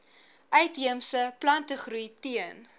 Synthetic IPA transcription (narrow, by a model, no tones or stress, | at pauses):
ʔœɥtɦiəmsəplɐntəχrujtiən